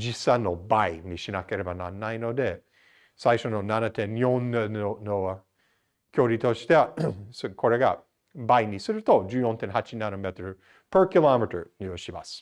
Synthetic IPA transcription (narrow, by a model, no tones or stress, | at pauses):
d͡ʒisãnːo̞baiɲiɕinake̞ɾe̞banã̰nːaino̞d̪e̞ | saiʃo̞nonanat̪ẽnjõnːono | kʲʰo̞ːɾʲit̪o̞ɕi̥t̪eskʰo̞ɾe̞ɡa | baiɲisɨɾɯ̟t̪o̞d͡ʒɨːjõ̞nt̪ẽnhat͡ʃinanomet̪oɾɯ | pə˞kʲilamet̪ə̰˞nioɕima̰sɨ̥